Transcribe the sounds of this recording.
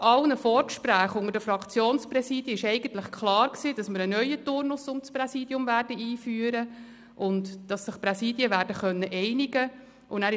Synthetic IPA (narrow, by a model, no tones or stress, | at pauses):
ɑlnəfɔːɾkʃpɾæːχʊŋədəfɾɑkʰt͡sjoːnsprɛsiːd̥jəɪʃɛɪɡ̥ən̩t̪ləχkχlɑːɾksiːd̥ɑsməɾənœʏətʊrnʊsʊmsprɛsiːdjʊmvæːrdəiːfyːəɾə | ʔʊntd̥ɑsːɪχpɾɛsiːdjəʋæːɾdəχœnːəʔɛɪnɪɡə | ʔʊnæːɾɪ